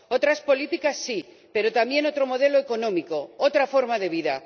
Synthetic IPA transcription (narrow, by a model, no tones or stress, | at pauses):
o̞t̪ɾaspo̞lit̪ikasːi | pe̞ɾo̞t̪ambje̞no̞t̪ɾo̞mo̞ðe̞lo̞eko̞nõ̞miko̞ot̪ɾafo̞ɾmaðe̞β̞iða